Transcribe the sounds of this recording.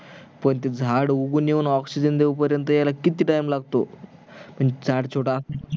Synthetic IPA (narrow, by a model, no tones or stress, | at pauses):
pəɳt̪̬ed͡zʱaɽuɡuːnjeʋuːnɔksid͡ʑənd̪eʋupəɾjənt̪əjalakit̪iːʈajmlaɡ̚t̪o | m̤əɳd͡zʱaɽt͡ɕʰoʈa